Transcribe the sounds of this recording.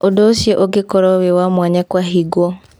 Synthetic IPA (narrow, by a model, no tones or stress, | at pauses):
odoːsjeʔoɡekoɾɔwewamwaɲɛkwaɦiɡwɔ